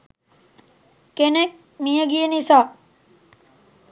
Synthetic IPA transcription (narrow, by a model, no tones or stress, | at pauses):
kenek̚ | mijəɡienisaː